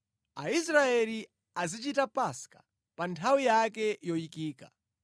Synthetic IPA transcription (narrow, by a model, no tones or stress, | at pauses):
aisɾaɛli | azit͡ʃitapaskḁ | pantʰawijakɛjɔjikiːka